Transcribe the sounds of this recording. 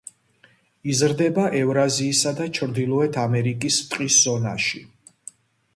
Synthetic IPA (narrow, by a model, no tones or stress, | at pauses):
izɾd̪ɛbaʔɛvɾaziːsad̪at͡ʃʰɾd̪ilˠɔɛt̪ʰamɛɾikʼist̪ʼqʼisz̥ɔnaʃi